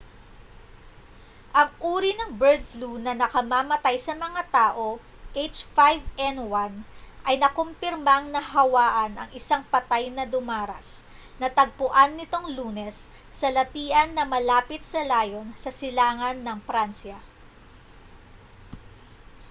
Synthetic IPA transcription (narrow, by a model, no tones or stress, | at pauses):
ʔɐŋʔuːɾinɐŋbɛɹd̪̚flunɐnɐkɐmamɐt̪ajsɐmɐŋat̪aːʔo̞ | ʔejt͡ʃfajvɛnwanʔɐjnɐkompɪɾmɐŋnɐɦɐwaːʔɐnʔɐ̰ŋɪsaŋpɐt̪ajnɐd̪ʊmaːɾɐ̰s | nɐt̪ɐɡ̚pʊʔanːɪt̪o̞ŋluːnɛsː | ɐlɐt̪iːʔɐnːɐmɐlaːpɪt̪̚sɐlaːjo̞nsɐsɪlaːŋɐnːɐŋfɾansjɐ